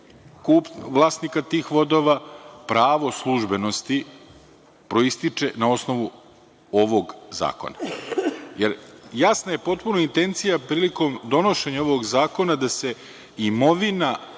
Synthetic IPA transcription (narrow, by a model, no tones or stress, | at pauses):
kuːpʋlˠaːsnikat̪iːxʋo̞d̪o̞ʋapɾaːʋo̞slˠuʒbe̞no̞st̪i | pɾo̞ist̪it͡ʂe̞nao̞sno̞ʋu | o̞ʋo̞ɡza̰ːko̰na | jeɾjasnaje̞po̞t̪̚punoint̪e̞nt̪sijapɾiːliko̞md̪o̞no̞ʃe̞ɲao̞ʋo̞ɡzaːko̞nad̪ase̞ | imo̞ʋina